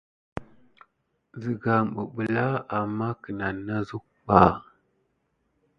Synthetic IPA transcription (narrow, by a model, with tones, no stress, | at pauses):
zi˨ɡa˨mɓu˨ɓə˨la˦a˨mːa˦kə˨na˨nːa˦zu˦k̚ɓa˨